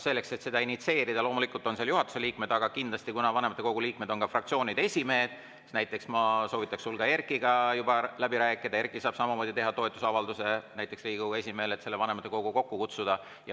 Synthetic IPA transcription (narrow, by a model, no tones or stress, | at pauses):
se̞lːe̞kse̞t̪se̞d̪ɑinit̪se̞ːɾid̪̥ɑlo̞ːmulikult̪o̞nseːljuɦɑt̪ːu̥se̞liːkme̞d̪̥ɑɡ̥ɑkind̪lɑsʲt̪ikunɑvɑne̞mɑt̪ːˑeko̞ɡuliːk̚me̞d̪̥o̞nkɑfrɑk̚t̪sio̞ːnʲid̪e̞sʲime̞ːd̪̥ | næjt̪ːˑe̞ksmɑso̞ːvit̪ːˑɑkssulɡ̥ɑe̞rkˑiɡ̥ɑjubɑlæbiɾæːkːˑid̪̥ɑe̞rkːˑisɑːb̥sɑmɑmo̞ːd̪̥it̪e̞ɦɑt̪o̞et̪ːˑusɑvɑld̪use̞næjt̪ːˑe̞ksriːɡikoɡe̞sʲime̞ːle̞t̪se̞lːevɑne̞mɑt̪ːˑe̞ko̞ɡ̥uko̞kːukut̪sud̪̥ɑ | jɑ